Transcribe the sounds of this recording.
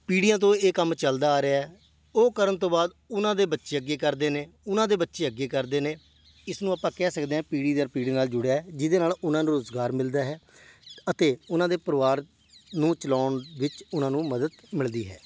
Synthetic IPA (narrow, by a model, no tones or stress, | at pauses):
piːɽijãːt̪̬õːeːkəmt͡ʃəld̪aːɾeaːɦɛː | oːkəɾəɳt̪õːbaːd̪ | ʊnãːd̪eːbətːʃeːəɡːeːkəɾd̪eːneːʊnãːd̪eːbətːʃeːəɡːeːkəɾd̪eːneː | ɪsnũːaːpãːkɛːsəkd̪eːɛ̃ːpiːɽiːd̪əɾpiːɽeːnaːld͡ʒʊɽejaːɦɛːd͡ʒɪd̪eːnaːlʊnãːnũːɾʊzɡaːɾmɪld̪aːɦɛːət̪eːʊnãːd̪eːpəɾʋaːɾ | nũːt͡ʃəlaːɳʋɪt͡ʃʊnãːnũːməd̪əd̪mɪld̪iːɦɛ̰ː